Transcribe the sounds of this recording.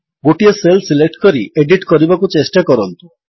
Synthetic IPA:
ɡoʈiɔselsilek̚ʈkɔɾiʔeɖiʈkɔɾibakut͡ʃesʈakɔɾɔnt̪u̥

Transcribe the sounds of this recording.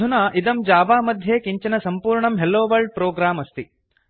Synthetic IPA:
unaːʔid̪ɐmd͡ʒaːʋaːmɐd̪ʱjeːkiɲt͡ʃɐnɐsɐmpuːɾɳɐmɦeloːʋɐɾɖ̚pɾoːɡɾaːmɐst̪i

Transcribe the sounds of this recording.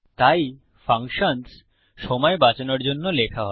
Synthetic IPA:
t̪aj | fʰaŋkʃɔns | ʃɔmɔebat͡ɕonoɾd͡ʑonːolekʰaɦɔ

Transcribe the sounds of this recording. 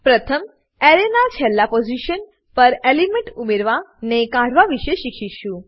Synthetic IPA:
pɾət̪ʰəm | ɛɾenat͡ʃʰɛlːapod͡ʒiʃən | pəɾelimẽʈumeɾʋanekãɽ̤ʱʋaʋiʃeʃikʰiʃũ

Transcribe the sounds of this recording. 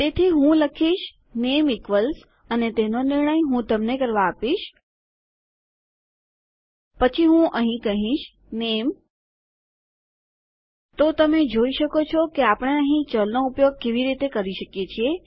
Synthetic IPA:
t̪et̪ʰiɦũləkʰiʃ | nemikʋəls | ənet̪enoniɾɳ̃əjɦũt̪əmnekəɾʋaːpiʃ | pət͡ʃʰiɦũʔəɦĩkəɦĩʃ | nem | t̪ot̪əmed͡ʒoiʃəkot͡ʃʰɔkeapɽ̃eəɦĩt͡ʃəlnoupjoɡ̚keʋiɾit̪ekəɾiʃəkjet͡ʃʰie

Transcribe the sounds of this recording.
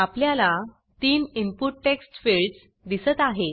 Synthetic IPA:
apljala | t̪iːnimpuʈːeksʈfilɖs | d̪isət̪aɦe

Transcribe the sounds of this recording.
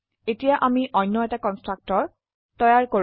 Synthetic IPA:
etijaʔamiʔɔjnːɔɛtakɔnstɹak̚tɔɹ | tɔjaɹko

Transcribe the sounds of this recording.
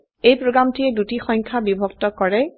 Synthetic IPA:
ejpɹoɡɹamtiɛdutixɔŋkʰabibʱɔktɔkɔɹɛ

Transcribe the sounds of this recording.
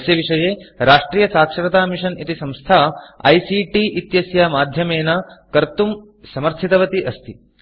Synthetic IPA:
sjɐʋiʂɐjeːɾaːʂʈɾiːjɐsaːkʂɐɾɐt̪aːmiʂɐnit̪isɐ̃mst̪ʰaːɐjsiːʈiːʔit̪jɐsjaːmaːd̪ʱjɐmeːnɐkɐɾt̪um | sɐmɐɾt̪ʰit̪ɐʋɐt̪iʔɐst̪ʰi

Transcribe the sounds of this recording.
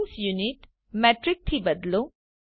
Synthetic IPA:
ŋsjuniʈ | mɛʈɾik̚t̪ʰibɐd̪lu

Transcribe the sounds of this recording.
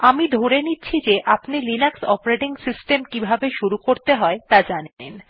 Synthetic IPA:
amid̪ʱoɾenitːɕʰid͡ʑeʔʔapnilinaksɔpoɾeʈiŋsisʈemkibʱabeʃuɾukoɾt̪eɦɔet̪ad͡ʑanḛn

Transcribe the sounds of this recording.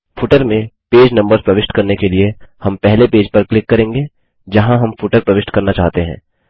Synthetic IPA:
fʰʊʈəɾmẽpeːd͡ʒnɐ̃mbəɾzpɾɐʋɪʃʈkɐɾnekeliehɐmpɛɦlepeːd͡ʒpɐɾklɪkːɐɾẽːŋɡe | d͡ʒɐɦãɦɐmfʊʈəɾpɾɐʋɪʃʈkɐɾnat͡ʃaːɦt̪eɦɛ̰̃ː

